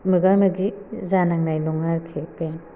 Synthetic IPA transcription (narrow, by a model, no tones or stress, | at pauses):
mɯɡaɾmɯɡizanaŋnajlɔŋaɾkʰepen